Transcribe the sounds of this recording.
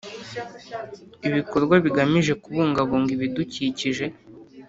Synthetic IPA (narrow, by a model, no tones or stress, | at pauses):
iβiko̞ɾɡwaβiɡamiʒe̞kuβuːŋɡaβoːŋɡiβiduciciʒe̞